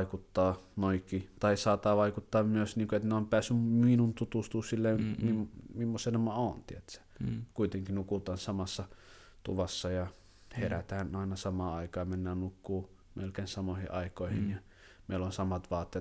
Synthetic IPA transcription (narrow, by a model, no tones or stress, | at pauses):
ikut̪ːɑːnoikːˑiːt̪ɑisɑːt̪ɑʋɑˑikut̪ːɑːmmyøsniːŋkoet̪neompæːsːymminunt̪ut̪ust̪uːssilːeimimmimːosenemɑont̪iet̪sæ̥kuit̪eŋkinukut̪ɑːnsɑmɑsːɑ | t̪ṵʋɑsːɑjɑ | heræ̰t̪æːnɑˑinɑsɑmɑːɑˑikɑːmenːæːnnukːuː | melkeːnsɑmohḭʔɑikoˑihinjɑ | meˑilːonsɑmɑt̪ʋɑːt̪ːeː